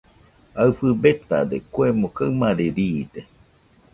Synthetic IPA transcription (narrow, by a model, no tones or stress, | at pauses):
aɨfɨbet̪a̰d̪ekwemõkaɨmaɾeɾiːd̪e